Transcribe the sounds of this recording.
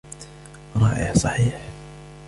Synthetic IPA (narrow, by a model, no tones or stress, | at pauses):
ɾˤɑːʔɪ̰ħsˤɑħiːħ